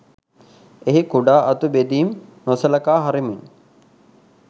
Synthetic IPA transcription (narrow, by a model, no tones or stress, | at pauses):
eɦikuɖaːʔɐt̪ubed̪iːmnosəlɐkaːɦaɾimin